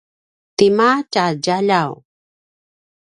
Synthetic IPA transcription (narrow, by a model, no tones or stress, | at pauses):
t̪imat͡ʃaɟaʎaw